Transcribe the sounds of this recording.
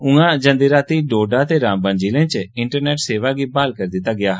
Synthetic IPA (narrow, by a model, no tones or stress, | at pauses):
ʊ̃ɡãːd͡ʒə̃nd̪iːɾaːt̪iːɖoːɖaːt̪eːɾãːmbə̃nd͡ʒiːlẽːt͡ʃɪ̃ɳʈəɾneːʈseːʋaːɡiːbaːlkəɾd̪ɪt̪aːɡɪjaː